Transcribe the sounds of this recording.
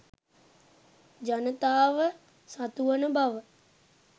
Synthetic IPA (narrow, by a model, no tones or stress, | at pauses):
d͡ʒanət̪aːʋə | sat̪uʋənəbaʋə